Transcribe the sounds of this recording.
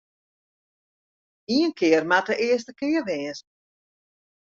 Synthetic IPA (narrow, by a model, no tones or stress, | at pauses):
iənkʰɪərmatəʔɪəs̬təkɪərʋɪːns